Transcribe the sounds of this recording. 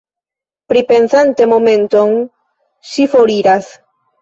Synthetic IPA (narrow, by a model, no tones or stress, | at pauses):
pɾipe̞nsant̪e̞momẽ̞nt̪oŋ | ʃifoɾiɾas